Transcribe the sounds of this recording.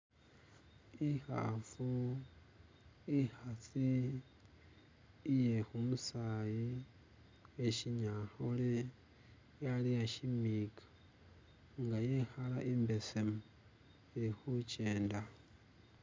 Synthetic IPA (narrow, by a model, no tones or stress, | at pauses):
ixa̰fu | ixat͡si | je̞xumusaji | eʃiɲaxole | jalijaʃimikʰḁ | ŋɡajexalaʔimbe̞semu | exut͡ʃe̞ːnda